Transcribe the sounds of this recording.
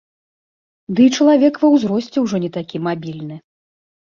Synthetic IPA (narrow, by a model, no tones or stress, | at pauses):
d̪ɨt͡ʂɐlˠavʲɛkvɐwzɾɔsʲt͡sʲɛwʐɔnʲɛt̪akʲimabʲilʲnɨ